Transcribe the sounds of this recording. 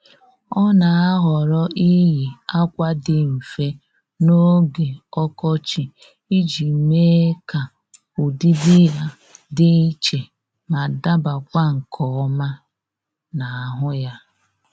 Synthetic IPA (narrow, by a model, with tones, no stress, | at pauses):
ɔ˦na˨a˦ɦɔ˨ɾɔ˦ʔi˦ɦi˨a˦kʷa˦dɪ˦m̩˨fe˦ | no˦ɡe˨ɔ˦kɔ˦t͡ʃi˨ | i˦d͡ʒi˨me˦ka˨ | u˨di˦di˦ɦa˨ | dɪ˦i˦t͡ʃe˨ | ma˨da˦ba˨kʷa˦ŋ̩˨kʰɔ˨ɔ˦ma˦ | na˨a˨ɦʊ˦ja˦